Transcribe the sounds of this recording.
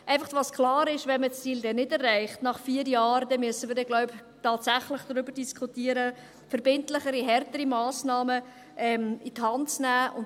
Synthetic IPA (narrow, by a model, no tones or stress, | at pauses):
ʔæɪfɑχtʋɑskʰlɑːɾɪʃʋɛnməst͡siːldɛnɪdɛrːɛɪχtnɑχfiːəɾjɑːɾdɛnmyəsən̩ʋɪːɾdɛɡlɔʊp | tɑːtsæχləχd̥ɾʏbəɾdiskʰχutiəɾə | fəɾbɪntləχəɾiɦɛrtəɾimɑːsnɑːmə | ʔɛmithɑntt͡snæːʔʊn